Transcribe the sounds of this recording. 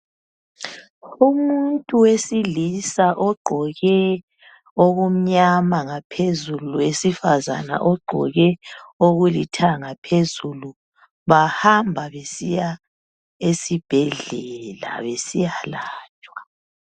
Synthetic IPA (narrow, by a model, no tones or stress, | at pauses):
umuntʼuwesilisaʔɔɡ͡ǃʱɔɣɛ | oɣum̩ɲamaŋapʰezuluwesifaza̰na̰ʔɔɡ͡ǃʱɔ̰ɣɛoɣulitʰaŋapʰezulu | βahambʱaβesija | esib̥ʱɛɮɛla̰βesijalaːt͡ʃʼwḁ